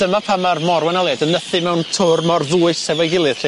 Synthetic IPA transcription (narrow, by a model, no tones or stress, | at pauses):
d̥əmapʰamarmɔɾwɛnəlˠɛdənəθɨmɛwntʰʊrmɔrðuːɨsɛvɔjɡɪlˠɨð̥ri